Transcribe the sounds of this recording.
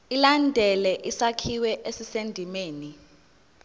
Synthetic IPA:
ilandʱɛlɛʔisakʰiwɛʔesisendʱimeːni

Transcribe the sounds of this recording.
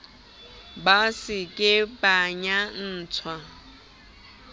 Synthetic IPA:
basɪkʼɪpʼaɲan̩ːt͡sʰwa

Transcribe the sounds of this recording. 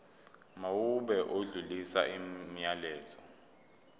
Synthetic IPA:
mawuɓɛʔoɮulisaimijalɛːzɔ

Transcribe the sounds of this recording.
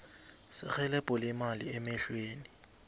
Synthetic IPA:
sɪ̰k͡xɛlɛpʼɔlɪmaliɛmɛɬweːni

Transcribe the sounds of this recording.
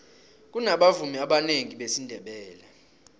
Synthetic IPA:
k̬ʼunaɓavumiaɓaneŋiɓesindʱɛɓɛːla

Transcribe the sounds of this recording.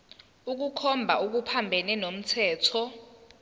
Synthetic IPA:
uk̬ukʰɔmbʱauk̬upʰambʱɛnɛnom̩tʰɛːtʰɔ

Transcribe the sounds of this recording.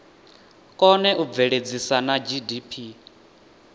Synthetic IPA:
kʼɔnɛʔub̪vɛɺed͡zisanad͡ʒidipʰi

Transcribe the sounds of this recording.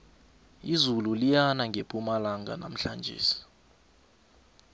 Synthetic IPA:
izululijanaŋɡʱepʼumalaŋɡʱa̰na̰m̩ɬand͡ʒʱḛːsi̥

